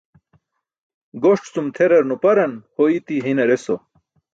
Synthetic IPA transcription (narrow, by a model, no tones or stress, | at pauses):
ɡoʂʈt͡sumt̪ʰeɾɐɾnupɐɾɐnhoit̪iɦinɐɾeso